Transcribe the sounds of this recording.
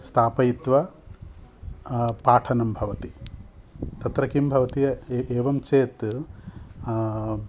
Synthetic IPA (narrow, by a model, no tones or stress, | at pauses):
st̪ʰaːpɐjit̪ʋɐ | paːʈʰɐnɐmbʱɐʋɐt̪i | t̪ɐt̪ɾɐkimbʱɐʋɐt̪ijɐʔeːʋɐmt͡ʃeːt̪